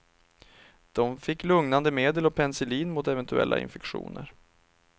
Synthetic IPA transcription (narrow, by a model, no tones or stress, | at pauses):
d̪̥ɔmfɪkːlɵŋnand̪əmeːd̪əlɔpʰɛnsɛliːnmʊt̪ɛvɛnt̪ʰɵɛ̰lːa̰ɪ̰nfɛkɧṵːnə̰ɾ